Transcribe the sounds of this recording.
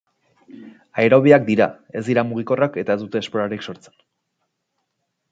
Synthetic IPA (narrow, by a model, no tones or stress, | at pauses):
aeɾo̞βiak̚d̪iɾa̰ | e̞zd̪iɾamuɣ̞iko̞rake̞t̪ae̞zd̪ut̪e̞ːspoɾaɾikso̞ɾt͡se̥n